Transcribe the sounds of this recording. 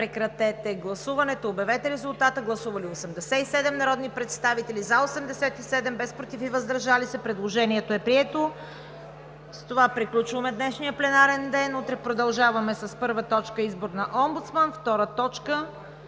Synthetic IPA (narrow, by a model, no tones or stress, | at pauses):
pɾɛkɾɐt̪ɛt̪ɛɡlˠɐsuvɐnɛt̪oːbɛvɛt̪ɛɾɛzʊlˠt̪at̪əɡlˠɐsuvɐliosɛmd̪ɛsɛisɛd̪ɛmnɐɾɔd̪nipɾɛt̪st̪avit̪ɛlizɐosɛmd̪ɛsɛt̪isɛd̪ɛmbɛspɾot̪ifivəzd̪əɾʒalisɛpɾɛd̪lˠoʒɛniɛt̪oɛpɾiɛt̪o | st̪ovapɾiklʲut͡ʃvəmɛd̪nɛʃnijəplɛnaɾɛnd̪ɛnut̪ɾɛpɾod̪ɐlˠʒavɐmɛsɐspɤɾvət̪ɔt͡ʃkəizboɾnɐʔɔmbut̪smənft̪ɔɾət̪ɔt͡ʃkə